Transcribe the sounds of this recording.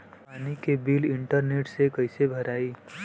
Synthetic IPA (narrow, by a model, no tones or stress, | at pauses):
panikebilɪɳʈəɾneʈsekəjsebʱəɾai